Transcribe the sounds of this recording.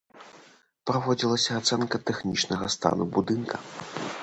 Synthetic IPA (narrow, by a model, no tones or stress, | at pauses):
pɾavɔd͡zʲilˠɐsʲɐːt̪sɛnkɐt̪ɛxnʲit͡ʂnɐɣɐst̪a̰nubud̪ɨnkʰɐ